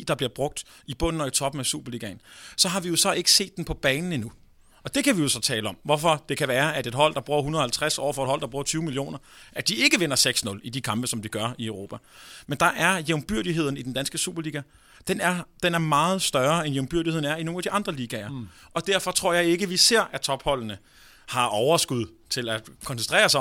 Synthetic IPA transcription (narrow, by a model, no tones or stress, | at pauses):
d̥ɑ̈b̥liɐb̥ʁɔ̽ɡ̥̚d̥ib̥ɔ̽n̰n̩ɒ̽it͡sʰɒ̽b̥n̩æsṵːb̥ɐliːɡ̥ɛnsɒ̽ɦɑ̈ʋijo̝sɒ̽e̝ɡ̥ə̥se̝̰ːd̥ːenpʰɒ̽b̥ɛːnn̩inu | ɒ̽d̥e̝kʰæʋijo̝sɒ̽t͡sʰɛ̰ːləɒ̽m̰ʋɒfɒ̽d̥e̝kʰæʋæːɐæd̥e̝d̥ɦɒ̽l̰d̥ɑ̈b̥ʁuɐɦunɐðˠhælt͡sʰʁasɒ̰ːfɒed̥hɒ̽l̰d̥ɑ̈b̥ʁuːɐt͡sʰyːʊmilijo̝̰ːnɐʔæd̥ie̝ɡ̥əʋen̰ɐseɡ̥snɔ̽lid̥ikʰɑ̈mb̥əsɒ̽md̥iɡ̥ɶɐiəʊʁo̝ːpʰæmend̥ɑ̈ʔæɐjeʊmb̥yɐ̰ɾ̥iɦe̝ð̞̰ˠn̩id̥end̥ænsɡ̥əsṵːb̥ɐliːɡ̥æ | d̥enæɐd̥enæɐmɑ̈ːð̞̩ˠsd̥ɶɐenjeʊmb̥yɐ̰ɾihe̝ðˠn̩æɐino̝ːŋnædiʔɑ̈nd̥ʁɐliːɡ̥ɛɐ | ʔɒ̽d̥æɐ̰fɒ̽t͡sʰʁo̝ɐ̰jɑ̈ɪe̝ɡ̥əʋise̝ɐ̰æt͡sʰɒ̽b̥hɒ̽l̰nə | hɑ̈ʔɒʊɐsɡ̥uð̞ˠt͡sʰe̝lækʰɒ̽nsent͡sʰʁɛ̰ːɐsɑ